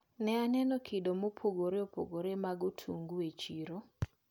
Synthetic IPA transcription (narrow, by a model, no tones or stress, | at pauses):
nɛanɛnɔkʰɪdomopʰoɡoɾeopo̰ɡoɾemaɡotʰṵŋɡuet͡ʃiɾo